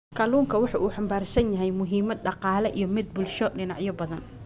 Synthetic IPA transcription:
kʰɐluːŋkʰɐwɑħɑːʔuːħɑmbaːrsɐnjɐɦɛjmʊɦiːmɐd̪̚ɖɑqɑːlɛʔḭjɞmɪd̪̚bʊlʃɔɖɪnɑʕjɔbɐðɐn

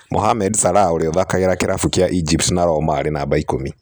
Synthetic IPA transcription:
mʔo̰ɦamɛdsaɾaoɾeɔðakaeɾakeɾafukiaʔid͡ʒiptnaɾɔmaɾenaːbaikomi

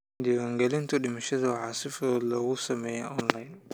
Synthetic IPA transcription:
d̪ɪwaːŋɡɛlɪnt̪ʰɐɗɪmɐʃɐðɐwɑħɑsɪfɔːd̪lɔːɣʊsɐmɛːjɛʔɔnlajn

